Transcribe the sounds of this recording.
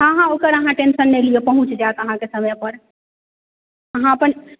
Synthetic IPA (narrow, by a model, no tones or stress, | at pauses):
ɦãɦãoːkəɾəɦãʈẽnʃənːelijepɐɦʊ̃t͡ʃd͡ʒaːt̪ɐɦãkesɐməjpəɾ | əɦãpən